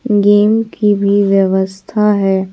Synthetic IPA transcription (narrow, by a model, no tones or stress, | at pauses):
ɡeːmkibʱiʋjəʋəst̪ʰaɦɛː